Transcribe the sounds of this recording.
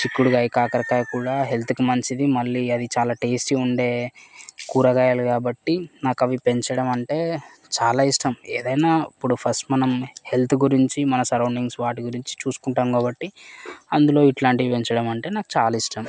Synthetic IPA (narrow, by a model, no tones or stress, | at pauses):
t͡ʃikːuɽuɡɐjkaːkɐɾɐkaːjkuːɽaːɦe̞lt̪ʰukumɐnt͡ʃid̪imɐɭːiːɐd̪it͡ʃaːlaːʈe̞ːsʈiuɳɖe̞ːkuːɾɐɡaːjaːlukaːbɐʈːinaːkɐʋipe̞ɲt͡ʃɐɽɐmɐɳʈe̞ː | t͡ʃaːlaːiʂʈɐmeːd̪ɐjnaːipːuɽupʰɐsʈmɐnɐmhe̞lt̪ʰuɡuɾiɲt͡ʃimɐnɐsɐɾɐwɳɖiŋɡsʋaːʈ̬iɡuɾiɲt͡ʃi̥t͡ʃuːsu̥kuɳʈaːmkaːbɐʈːiɐnd̪ulo̞ːiʈlaːɳʈiipe̞ɲt͡ʃɐɽɐmɐɳʈe̞ːnaːku̥t͡ʃaːlɐiʂʈɐm